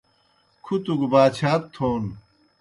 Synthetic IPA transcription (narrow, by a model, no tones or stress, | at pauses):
kʰut̪uɡbaːt͡ɕʰaːt̚t̪ʰoːn